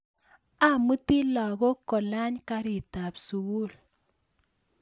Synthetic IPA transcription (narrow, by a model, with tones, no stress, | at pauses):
a˦˨mu˦ti˦lɔ˨ɣɔ˦kɔ˨la˦ɲka˦ɾi˨ta˨psu˨wu˦˨l